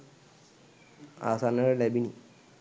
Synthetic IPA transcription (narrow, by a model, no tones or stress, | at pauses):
a̰sanːɐɾlɐbini